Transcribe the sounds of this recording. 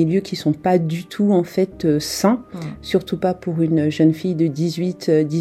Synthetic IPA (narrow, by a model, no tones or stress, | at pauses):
ljøkʲisɔ̃pad̪yt̪ʰuɑ̃fɛt̪øsɛ̃syʁt̪upapuʁynʒənfijd̪əd̪izɥit̪ød̪i